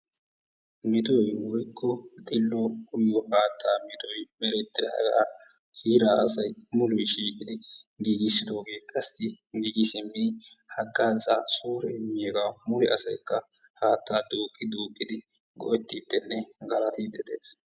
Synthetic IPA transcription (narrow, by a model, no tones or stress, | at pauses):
mɪt̪ɔjwɔjkʰːɔt̪ʼɪlːokʼʊjɔhaːt̪ːaːmɪt̪ɔjbɛɾɛt̪ːɪɾa̰ɡaːn | hiːɾaːʔɐsɐjmʊlʊjʃiːkʼɪd̪ɪɡiɡɪsːɪd̪o̞ːɡe̞ːkʼɐsːɪ | ɡiːɡɪsɪmːɪnhɐɡːaːzaːsuːɾɛmːɪjeːɡaːmʊɾɪɐsɐjkːɐ | haːt̪ːaːd̪uːkʼːɪd̪uːkʼːɪd̪ɪ | ɡɔʔɛt̪ːɪt̪ːɛnːɛɡɐlɐt̪ɪd̪ɛd̪eːs